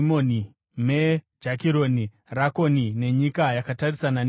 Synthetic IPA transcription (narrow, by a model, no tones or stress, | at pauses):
moni | med͡ʒakiɾo̞ni | rako̞nine̞ɲikajakatarisanan